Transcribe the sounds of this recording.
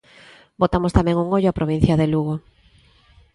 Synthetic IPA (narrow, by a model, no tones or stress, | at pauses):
bot̪amʊst̪amɛ̃ŋuŋoʎʊapɾʔoβ̞in̟θjɐðeluɣo